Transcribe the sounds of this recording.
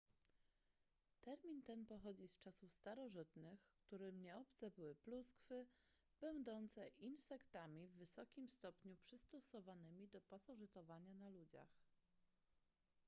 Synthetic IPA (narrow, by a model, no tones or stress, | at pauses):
t̪ɛɾmʲint̪ɛnpɔxɔd͡ʑist͡ʂasufst̪aɾɔʐɘt̪nɘxkt̪uɾɘmɲɛɔpt̪sɛbɘwɘpluskfɘ | b̥ɛnd̪ɔnt̪sɛʔinsɛkt̪amʲivːɘsɔkʲimst̪ɔpɲupʂɘst̪ɔsɔvanɘmʲid̪ɔpasɔʐɘt̪ɔvaɲanalud͡ʑa̰x